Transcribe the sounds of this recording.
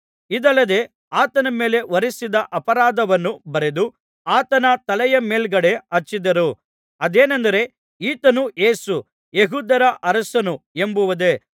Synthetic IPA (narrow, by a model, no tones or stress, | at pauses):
id̪ɐlːɐd̪e̞ | aːt̪ɐnɐme̞ːle̞ʋɐɾisid̪ɐʔɐpɐɾaːd̪ɐʋɐnːubɐɾe̞d̪u | aːt̪ɐnɐt̪ɐlɛjɐmeːlɡɐɽe̞ɐt͡ʃːid̪ɐɾu | ɐd̪eːnɐnd̪ɐɾe̞ | iːt̪ɐnue̞ːsu | jeɦuːd̪ɐɾɐʔɐɾɐsɐnuembuʋɐd̪e̞